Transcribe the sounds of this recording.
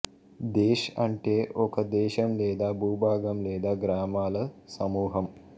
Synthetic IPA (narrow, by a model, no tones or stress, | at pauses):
d̪eːʃɐɳʈeːʔokɐd̪eːʃɐmleːd̪aːbʱuːbaːɡɐmleːd̪aːɡɾaːmaːlɐsɐmuːɦɐm